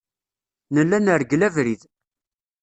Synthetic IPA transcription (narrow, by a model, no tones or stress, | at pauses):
nəlːænəɾɡlævɾið